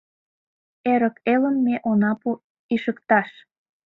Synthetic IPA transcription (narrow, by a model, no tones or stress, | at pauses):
eɾəkeləmːeʔonɑpu | iʃəkt̪ɑʃ